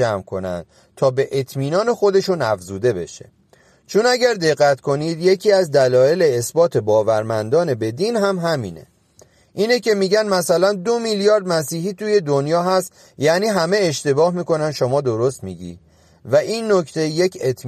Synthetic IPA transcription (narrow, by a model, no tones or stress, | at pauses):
æmkʰo̞̰næ̰nd̪̥̚ | t̪ʰɒːbe̞ʔet̪ʰmiːnɒːne̞xo̞d̪e̞ʃunæfzuːd̪e̞be̞̰ʃe̞̰ | t͡ʃʰunæɟæɾd̪e̞ɣːæt̪kʰo̞niːd̪je̞cʰiːæzd̪ælɒːje̞leːsbɒːt̪ʰe̞bɒːvæɾmænd̪ɒːne̞be̞d̪iːnɦæmɦæmiːne̞̰ | ʔiːnece̞miːɟænmæsælænd̪o̞miljɒːɾd̪mæsiːɦiːt̪ʰuːje̞d̪onjɒːɦæst̪ | jæniːɦæme̞eʃt̪e̞bɒːhmiːko̞nænd̪ʃomɒːd̪o̞ɾo̞st̪miːɟḭːd̪̥ | væʔiːnːo̞cʰt̪ʰe̞jje̞cʰet̪ʰ